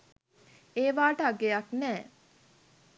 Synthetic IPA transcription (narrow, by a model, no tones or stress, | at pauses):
eːʋaːʈəaɡejaknɛː